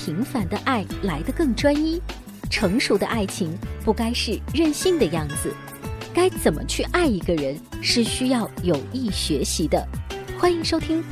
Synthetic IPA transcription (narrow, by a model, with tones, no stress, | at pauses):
pʰi˧˥ŋfa˧˥nd̪ə˧ʔa˥˩ɪla˧˥ɪd̪ə˧kɤ˥˩ŋʈ͡ʂwa˥ni˥ | ʈ͡ʂʰɤ˧˥ŋʂu˧˥d̪ə̰˧ʔa˥˩ɪt͡ɕʰi˧˥ŋpu˥˩ka˥ɪʂɻ̩˥˧ɻə˥˧nɕi˥˩nd̪ə˩jɑ˥˩ŋd͡zɹ̩˩ | ka˥ɪt͡sə˨˩nmʔə̰˦t͡ɕʰy˥˧ʔa˥˩ɪi˧˥ɡə˧ɻə˧˥nʂɻ̩˥˩ɕy˥jɑ˥˩ʊjo˨˩ʊi˥˩ɕɥɛ˧˥ɕi˧˥d̪ə˧xwa˥ni˧˥ŋʂo˥ʊt̪ʰi˥ŋ